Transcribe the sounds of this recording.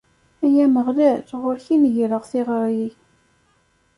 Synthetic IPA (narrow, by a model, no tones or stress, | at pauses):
æjæməʁlæθʁʊɾçinʝɾəʁθɪʁəɾˤji